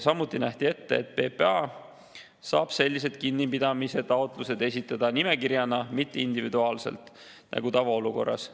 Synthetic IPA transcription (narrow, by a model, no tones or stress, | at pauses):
sɑmːut̪ːˑinæht̪ie̞t̪ːeet̪̚pe̞ːpeɑ | sɑːb̥se̞lʲːise̞d̪̥̚kinːipid̪̥ɑmise̞t̪ɑo̞t̪ˑluse̞d̪e̞sit̪ˑːɑd̪̥ɑnime̞kiɾjɑnɑmit̪ːeind̪̥ivid̪uɑːlse̞̰lt̪ˑ | nʔɑ̰ɡut̪ɑvɑoluko̞̰rːɑ̰s